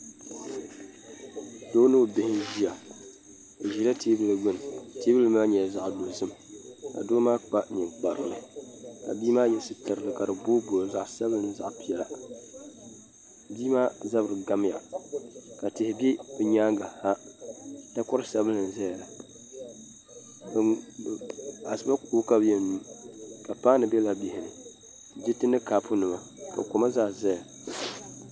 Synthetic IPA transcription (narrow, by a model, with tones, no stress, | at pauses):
doː˦nɨ˦˨bɪ˨hɪ˦nʒi˦a˨ | ɨ˨ʒi˨la˦tʰeː˦bɨ˨lɨ˨ɡ͡bʊ˦˨n˨teː˦bɨ˦lɨ˦maː˦ɲɛ˨za˨ʔdo˨zɨ˦m˨ka̰˨doː˦maː˦k͡pa˦nɨ˨ŋk͡pa˨ɾɨ˨lɨ˨ka̰˨biː˦maː˦jɛ˨sɨ˦tɨ˨ɾɨ˨lɨ˨ka˨ɾɨ˨boː˦bo˨ɾza˨ʔsa˦bɨ˦lɨ˨n˦za˨ʔpi˦ɛ˨la˨ | biː˦maː˦za˦bɾɨ˨ɡa˦m˦ja̰˨ | ka˨tɪ˨hɪ˨bɛ˦bɨ˨ɲaː˦ŋɡa˨ha˦ | ta˦kʊ˦ɾɨ˦sa˦bɨ˦ɨ˨n˦zɛ˦˨la˨ | a˨sɨ˦ba˦koː˦ka˦bjɛ˨ni˨˦ka˨paː˦nɨ˨bɛ˦la˨bɪ˨hɪ˨nɨ˨ | d͡ʒɪ˦tɨ˦nɨ˦kaː˨˦pʰʊ˦nɨ˨ma˨ | ka̰˨kʊ˨˦ma˦zaː˦zɛ˦a˨